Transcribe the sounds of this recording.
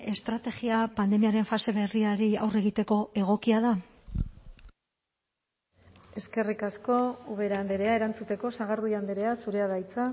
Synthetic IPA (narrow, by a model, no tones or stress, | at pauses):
e̞st̪ɾat̪e̞ɣiapand̪e̞miaɾe̞ɱfase̞βe̞riaɾia̰wre̞ɣ̞it̪e̞ko̞e̞ɣ̞o̞kiað̞a | e̞ske̞rikasko̞uβe̞ɾand̪eɾe̞ae̞ɾant͡sut̪e̞ko̞saɣ̞aɾðujand̪eɾe̞asuɾe̞aðajt͡sa